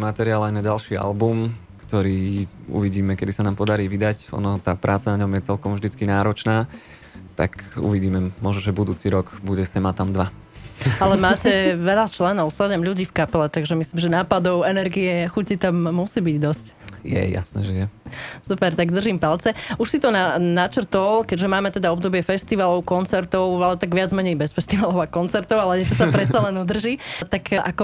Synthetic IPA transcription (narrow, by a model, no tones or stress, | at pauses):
imat̪ɛɾiaːlajnaɟalʃiːa̰lbum | kt̪ɔɾiːṵʋiɟiːmɛkɛd̪isanaːmpɔd̪aɾiːʋid̪acɔ̰nɔt̪aːpɾaːt͡sanaɲɔmjɛt͡sɛlkɔmʒd̪it͡skinaːɾɔt͡ʃnaː | t̪a̰kṵʋiɟiːmɛmʊɔʒnɔʒɛbud̪uːt͡siɾɔɡbuɟɛsɛmat̪amd̪ʋa | alɛmaːcɛʋɛʎat͡ʃlɛnɔʊsadɛmʎuɟiːfkapɛlɛt̪aɡʒɛmisliːmʒɛnaːpad̪ɔʊɛnɛɾɡiɛxucit̪amːusiːbiɟd̪ɔsc | jɛ̰ja̰snɛ̰ːʒɛjɛsupɛɾt̪aɡd̪r̩ʒimpalt͡sɛuʃsit̪ɔnanat͡ʃr̩t̪ɔlkɛɟʒɛmaːmɛt̪ɛd̪aɔbd̪ɔbɪɛfɛst̪iʋalɔʊkɔnt͡sɛɾt̪ɔʊalɛt̪aɡʋɪad͡zmɛɲɛjbɛsfɛst̪iʋalɔʊakɔnt͡sɛɾt̪ɔʊalɛɲɛt̪ɔsapɾɛt̪t͡salɛnud̪r̩ʒit̪akʔakɔ